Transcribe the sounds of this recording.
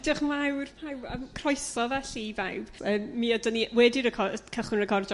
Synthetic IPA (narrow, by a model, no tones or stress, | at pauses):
dɪχmawrpʰawəmkʰrɔjsɔðɛɬivawb̥əːmːiadəniwɛdɪɾəkʰɔkʰəχwɪnrəkʰɔrd͡ʒɔ